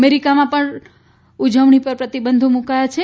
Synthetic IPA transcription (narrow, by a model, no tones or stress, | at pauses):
meɾikamãpəɳ | ud͡ʒəʋɳipəɾpɾət̪ibənd̪ʱomũkajat͡ʃʰe